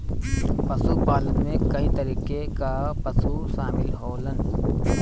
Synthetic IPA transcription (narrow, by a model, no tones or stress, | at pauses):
pəsupaːlənmẽkəɦit̪əɾiːkekapəsusaːmɪlɦoːlən